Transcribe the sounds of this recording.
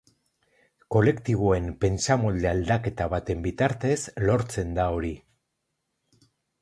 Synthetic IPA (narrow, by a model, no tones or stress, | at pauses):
ko̞le̞kt̪iβo̞e̞mpe̞nt͡samo̞ld̪e̞ald̪ake̞t̪aβat̪e̞mbit̪aɾt̪e̞zlo̞ɾt͡se̞nd̪ao̞ɾi